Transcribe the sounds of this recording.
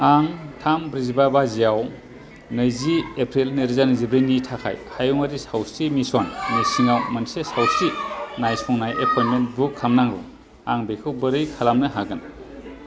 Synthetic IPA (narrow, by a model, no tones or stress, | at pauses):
aŋtʰambɾizibabazijaw | nɯjziepʰɾilneɾizanɯzibɾijnitʰakʰa̰jhajuŋaɾisawstimisɔnnɯjsiŋawmɐnsesawstinajspʰɔŋnajepʰɔjnmentbukʰːamnaŋɾṵ | aŋbekʰɯwbɯɾɯjkʰalamnɯɦaɡɯn